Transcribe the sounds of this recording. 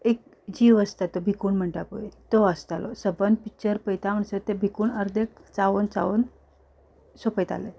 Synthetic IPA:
ek̚ | d͡ʑiʋəst̪at̪ːobʱikuːɳm̤əɳʈapo̰jt̪oəst̪alɔsəbənpik̚t͡ɕəɾpəjt̪am̤əɳsət̪ebʱikuːɳəɾd̪ekt͡saʋənt͡sa̰ʋən | sopəjt̪a̰le

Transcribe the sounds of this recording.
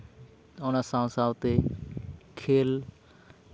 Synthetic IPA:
oːnasãːsaːʋt̪e | kʰeːl

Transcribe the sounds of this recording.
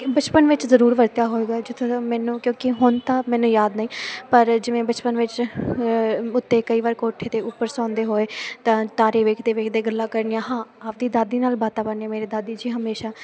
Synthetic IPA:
bət͡ʃpənʋɪt͡ʃzəɾuːɾʋəɾt̪jaːɦoːeːɡaːd͡ʒɪt̪ʰːõmɛːnũːkjõːkɪɦʊnt̪ãːmɛ̃ːnũːjaːd̪naĩːpəɾd͡ʒɪʋẽːbət͡ʃpənʋɪt͡ʃ | ʊt̪ːeːkəiːʋaːɾkoːʈʰːeːt̪eːʊpːəɾsãːnd̪eːɦoːeːt̪ãːt̪aːɾeːʋeːkʰd̪eːʋeːkʰd̪eːɡəlːaːkəɾnɪjãːɦãːaːpd̪iːd̪aːd̪iːnaːlbaːt̪aːbəɾnijãːmeːɾeːd̪aːd̪iːd͡ʒiːɦəmeːʃaː

